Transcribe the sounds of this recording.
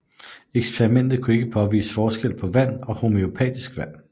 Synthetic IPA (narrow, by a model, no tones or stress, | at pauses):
eɡ̥spʰeʁimen̰d̥ð̩ˠkʰue̝ɡ̥əpʰɒ̽ʋḭːsə̥fɒːsɡ̥el̰pʰɒ̽ʋæn̰ɒ̽ho̝meopʰɛ̰ːd̥isɡ̥ʋæn̰